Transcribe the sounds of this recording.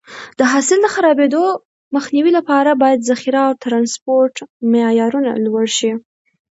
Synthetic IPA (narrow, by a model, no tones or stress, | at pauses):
d̪̥əɦɑsɪld̪əxaɾɑbed̪o | məxniwilapɑɾabɑjad̪zaxiɾaːwt̪ɾɑnspoɾʈmejɑɾuna̰lwaɽʃi